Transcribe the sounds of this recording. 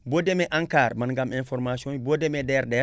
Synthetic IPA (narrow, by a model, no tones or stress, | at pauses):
bodemeʔãŋkaːɾmanɡamẽnfoɾmasiõnibodemedeɾde